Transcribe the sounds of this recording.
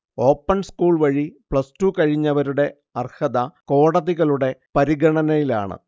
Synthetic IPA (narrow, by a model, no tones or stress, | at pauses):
o̞ːpːɐnskuːɭʋɐɻipɭɐstuːkɐɻiɲːɐʋɐɾuɽe̞ | ɐrhɐðɐko̞ːɽɐðiɣɐɭuɽe̞pɐɾiɡɐɳɐnɐjila̰ːɳɨ̰